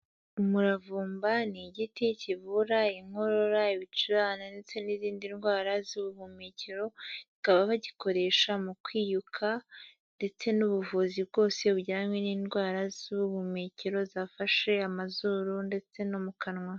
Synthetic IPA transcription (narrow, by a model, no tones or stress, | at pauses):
umuɾavuːmbaniɟiticivuɾaiŋho̞ɾo̞ɾaiβit͡ʃuɾaːnande̞t͡se̞niziːndinɡwaːɾazuβuβumeːciɾo̞ikaβaβaɟiko̞ɾe̞ʃamukwiːjukʰa | nde̞t͡se̞nuβuvuzib̚ɡo̞ːse̞uɟiɾamweniːnɡwaːɾazuβuβumeciɾo̞zaːfaʃe̞amazuːɾunde̞t͡se̞nomukʰanŋwa